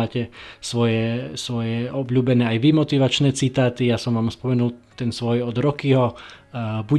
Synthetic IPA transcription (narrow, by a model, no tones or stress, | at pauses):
aːcɛsʋɔjɛsʋɔjɛɔbʎuːbɛnɛːajʋimɔt̪iʋat͡ʃnɛːt͡sit̪aːt̪ijasɔmʋaːmspɔmɛnult̪ɛnsʋɔjɔd̪ɾɔkiɦɔ | bu